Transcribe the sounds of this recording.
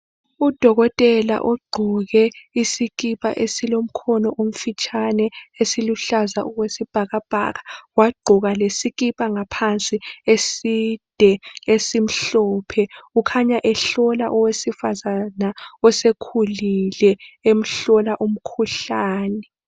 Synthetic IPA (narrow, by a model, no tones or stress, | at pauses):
ud̥ʱɔɣɔtʼɛla̰ʔɔɡ͡ǃʱɔɣɛisiɣipʼa̰ʔesilom̩kʰɔnɔʔom̩fit͡ʃʼanɛesiluɬazauɣwesib̥ʱaɣab̥ʱa̰ɣawaɡ͡ǃʱuɣalesiɣipʼaŋapʰant͡sʼiesid̥ʱɛesim̩ɬɔːpʰɛukʰaɲaʔɛɬɔlaʔɔwesifazanaɔsekʰulilɛem̩ɬɔlaʔum̩kʰuɬaːnɛ